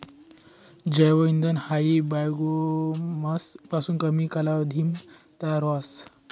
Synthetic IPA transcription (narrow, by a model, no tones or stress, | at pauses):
d͡ʑəjʋəind̪ənhaibajɡomaspasuːnkəmikalaʋd̪ʱim | t̪aɾʋas